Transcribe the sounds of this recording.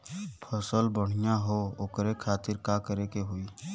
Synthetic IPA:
pʰəsəlbəɽ̤ijaɦooːkɾekʰaːt̪ɪɾkakəɾekeɦoiː

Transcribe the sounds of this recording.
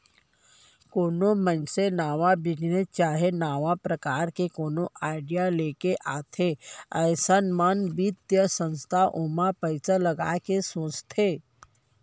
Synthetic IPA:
konomənsenaʋabʱiɡnet͡ɕaɦenaʋapɾəkaɾkekonoʔaɖijalekeʔat̪ʰeəjsənmanbit̪jəsə̃ñst̪ʰaʔumapəjt͡sələɡa̰kesõst̪ʰe

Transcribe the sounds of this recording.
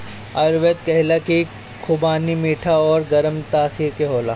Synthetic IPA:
ɐɾʋet̪kɐɦɪlaki | kʰʊbaːnimiːʈʰaɔːɾɡɐɾəmt̪aːsiːɾkeɦoːla̰ː

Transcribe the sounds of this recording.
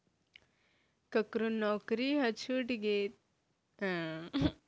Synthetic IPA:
kɐkɾunːɔːkɾiɦɐt͡ʃʰuʈiɡet̪

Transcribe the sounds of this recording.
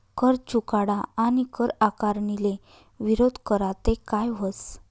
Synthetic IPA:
kəɾt͡ɕukaɽaanikəɾakaɾɳile | ʋiɾod̪ʱkəɾat̪ekajʋəs

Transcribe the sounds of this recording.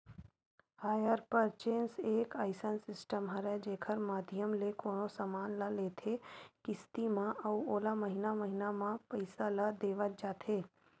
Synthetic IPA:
haːjəɾpəɾt͡ʃeːnseːkaːɪsənsɪsʈəmɦɐɾɛd͡ʒeːkʰəɾmaːd̪ʱɪjəmlekoːnosamaːnlaleːt̪ʰekɪst̪imãɐʋoːlamɐɦɪnamɐɦɪnamãpəɪsalad̪eːʋəd͡ʒaːt̪ʰeː

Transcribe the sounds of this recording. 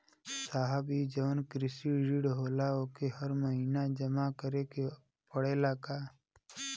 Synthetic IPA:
saːɦəbid͡ʒəʋnkɾɪsiɾiɽɦoːlaoːkehəɾməɦiːnad͡ʒəmakəɾeke | pəɽeːlakaː

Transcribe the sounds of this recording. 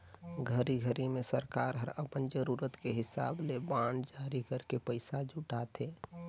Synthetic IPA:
ɡʱəɾiɡʱəɾimẽsəɾkaːɾɦəɾəpənd͡ʒəɾuːɾət̪keɦɪsa̰ːblebãːnɖd͡ʒaɾikəɾkepəɪsad͡ʒʱʊʈat̪ʰeː

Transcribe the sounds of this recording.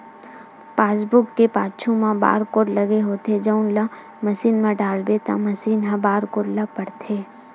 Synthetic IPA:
paːsbʊkːepaːt͡ʃʰõmãba̰ːɾkoːɾlɐɡeɦoːt̪ed͡ʒəʊnlã | mɐsiːnmãɖaːlbet̪a̰mɐsiːnɦãbaːɾkoɾlapəɽt̪ʰeː

